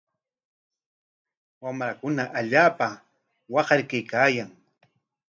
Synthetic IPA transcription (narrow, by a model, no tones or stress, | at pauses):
wamɾakʊnaʔaʎaːpa | wɑqɑɾkajkaːjaŋ